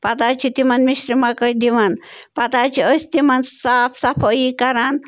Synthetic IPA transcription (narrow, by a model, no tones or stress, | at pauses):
pɐt̪at͡ʃʰit̪imɐnmisɾimakəjd̪iʋan | pɐt̪at͡ʃʰiəst̪imɐnsaːpʰsapʰəikɐɾan